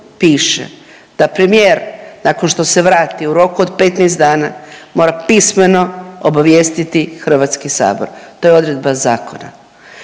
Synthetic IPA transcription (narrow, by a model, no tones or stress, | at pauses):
piːʃḛ | d̪̥apɾemijeːɾnakonʃt̪o̞seʋɾaːt̪iuɾo̞kuod̪pet̪nɛːst̪d̪aːnamo̞ːɾapisme̞no̞obaʋjeːst̪it̪ixr̩ʋat̪skisa̰ːboɾt̪o̞jeo̞d̪ɾe̞d̪bazaːko̞na̰